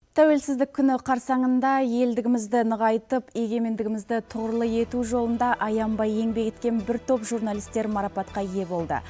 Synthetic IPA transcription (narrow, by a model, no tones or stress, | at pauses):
t̪ʰæwe̞lsɪzd̪ɪkʲʰːʏnɪqʰɑɾsɑɴənd̪ɑje̞ld̪ɪɡʲɪmɪzd̪ɪnəʁɑjt̪əpe̞ɡʲe̞me̞nd̪ɪɡʲɪmɪzd̪ɪt̪ʰʊʁəɾəlˠəje̞t̪uʒo̞lˠənd̪ɑʔɑjɑmbɑje̞ŋbe̞kʲe̞t̪kʲe̞nbɪɾt̪ʰo̞pʒurnalˠist̪ːe̞ɾmɑɾɑpɑt̪qɑje̞bo̞lˠd̪ə̰